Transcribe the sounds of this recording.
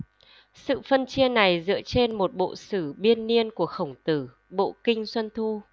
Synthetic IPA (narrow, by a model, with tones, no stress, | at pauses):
sɨ̰˧˨fə˧nt͡ɕi˧əna˨˩jzɨ̰˧˥ət͡ɕe˧nmo˨˩t̚ɓo̰˧˨sɨ˧˩ɓi˧ənːi˧ənku˧˩əxə˧˩wŋ͡mt̪ɨ˧˩ | ɓo̰˧˨kï˧ŋ̟swə˧nt̪ʰu˧